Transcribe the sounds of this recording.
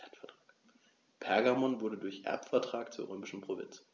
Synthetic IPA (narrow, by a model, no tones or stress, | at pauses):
ɛtfɛɐtʁ̥aːk | pʰɛɐɡamɔnvʊɐdədʊɐçʔɛ̰ɐpfɛɐtʁ̥aːkt͡suːɐʁ̞øːmɪʃn̩pʁ̥ovɪ̰nt͡s